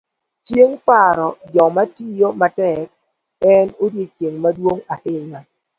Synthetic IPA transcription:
t͡ʃjeŋpaɾɔd͡ʒɔmatijomatɛk̚ | ɛnodjet͡ʃjeŋmadwoŋahɪɲa

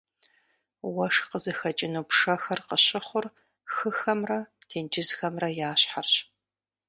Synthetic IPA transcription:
wɐʂqəzɨxɐt͡ʃʼɪnuːpʂɐxɐrqəɕɪχʷʊr | xɨxɐmrɐtʰeːnd͡ʒɪzxɐmrɐjaːɕħarɕ

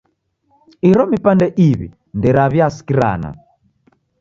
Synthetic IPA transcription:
iɾɔmipandɛʔiβḭ | ndɛɾaβjasi̥kiɾa̰ːna̰

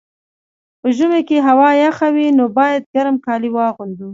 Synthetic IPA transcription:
pəʒumekeɦawɑjaxawinobɑjad̪̚ɡaɾmkɑliwɑɣund̪u

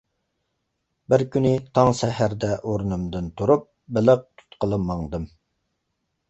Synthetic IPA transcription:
bɪɾkʲʰynɪt̪ʰɑŋsɛɦæɾd̪ɛʔoɾnɨmd̪ɨnt̪ʰuɾup̚ | bɪlɪq̚t̪ʰu̥t̪qəlˠɨmːɑŋd̪ɨm

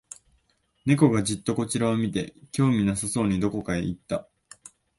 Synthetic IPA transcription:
ne̞ko̞ɡaʑit̪ːo̞ko̞t͡ɕiɾaomʲit̪e̞kʲo̞ːmʲinasaso̞ːɲ̟id̪o̞ko̞kaeit̪ːa

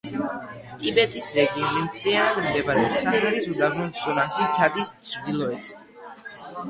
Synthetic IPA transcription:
t̪ʼibɛt̪ʼisɾɛɡiɔmimt̪ʰlianad̪md̪ɛbaɾɛɔsaχaɾizud̪avɔnt̪zɔnat̪ʰit͡ʃʰad̪ist͡ʃʰd̪ilˠɔɛt̪ʰ

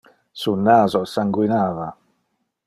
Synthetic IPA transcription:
sunaːzosaŋɡwinaːva

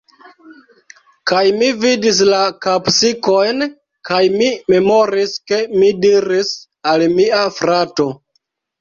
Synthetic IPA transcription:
kajmividis̬lakapsiko̞jn | kajmime̞mo̞ɾiske̞midiɾis | almiafɾato̞

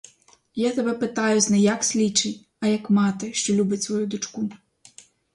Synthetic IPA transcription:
jat̪ɐbɛpɨt̪ajuznɐjaksʲlʲit͡ʂɨ | ɐjɐkmat̪ɨʂt͡ʂɔlʲubʲɐt͡sʲsvɔjud̪ut͡ʂku

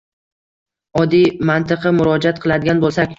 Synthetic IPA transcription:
ɒd̪ijmant̪ɨqʰɨmʊɾɒd͡ʒat̪̚qʰɨlˠad̪ɪɡʲanbolˠsakʲ

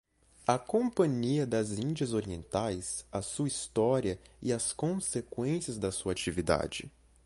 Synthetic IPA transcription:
ɐkõpɐ̃ɲiɐd̪ɐzĩnd͡ʒɐzoɾiẽnt̪ajsɐsuɐist̪ɔɾiɐɪɐskõsekwẽsiɐzd̪ɐsuɐat͡ʃivid̪a̰d͡ʒɪ̰

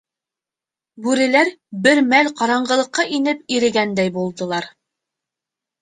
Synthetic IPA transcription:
bʉɾɘ̆læɾbɘɾmælqɑɾɑɴɢɤ̆lˠɤ̆qːɑʔinɘp̚iɾɘ̆ɡænd̪æjbulˠd̪ɤ̆lˠɑɾ

